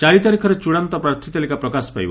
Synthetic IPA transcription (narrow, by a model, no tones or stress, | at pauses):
t͡ʃaɾit̪aɾikʰɔɾet͡ʃuɽant̪ɔpɾaɾt̪ʰːit̪alikapɾɔkasɔ̥pa̰jbɔ̰